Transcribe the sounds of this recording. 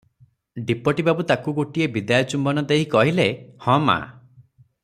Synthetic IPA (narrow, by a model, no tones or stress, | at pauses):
ɖipɔʈibabut̪akuɡoʈiebid̪ajɔt͡ʃumbɔnɔd̪eɦikɔɦilehɔ̃ma̰